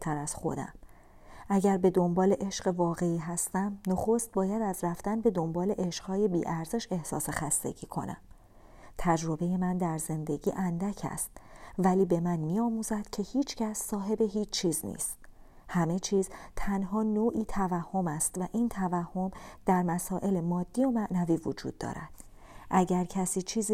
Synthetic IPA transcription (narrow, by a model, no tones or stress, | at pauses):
t̪ʰæɾæz̥xo̞̰d̪æ̰m | ʔæɟæɾbe̞d̪o̞mbɒːle̞ʔe̞ʃɢevɒːɣe̞iːɦæst̪æmnoxo̞st̪̚bɒːjæd̪æzɾæft̪ænbe̞d̪o̞mbɒːle̞ʔeʃɢ̥hɒːje̞biːʔæɾz̥e̞ʃe̞hsɒ̰ːse̞xæst̪e̞̰ɟ̥iːkʰo̞̰næ̰m | t̪ʰæd͡ʒɾo̞be̞je̞mænd̪æɾze̞nd̪e̞ɟḭːʔænd̪æcʰæ̰st̪̚væliːbe̞mænmiːɒːmuzæd̪̥cʰe̞hiːt͡ʃʰcæsːɒːɦe̞be̞ɦiːt͡ʃʰt͡ʃʰːiːznḭːst̪̚ | hæme̞t͡ʃʰiːzt̪ʰænɦɒːnoːʔiːt̪ʰævæhːo̞mæst̪væʔiːnt̪ʰævæhːo̞md̪̥æɾmæsɒːʔe̞lemɒːd̪̥ːiːo̞mæʔnæviːvod͡ʒṵːd̪̥̚ːɒ̰ːɾæ̰d̪̥ | ʔæɟæɾcʰæsiːt͡ʃʰiːzi